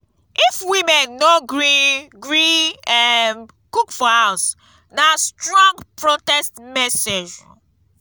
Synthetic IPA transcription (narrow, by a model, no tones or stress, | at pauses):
ifwimɛ̃nːoɡɹiɡɹiɛn | kukfɔas | nastɹɔ̃ŋɡpɹotɛstmɛsed͡ʒ